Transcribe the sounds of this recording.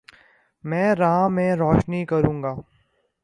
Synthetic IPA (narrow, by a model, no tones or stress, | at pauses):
mɛ̃ːɾãmẽɾɔːʃnikɐɾũːŋɡaː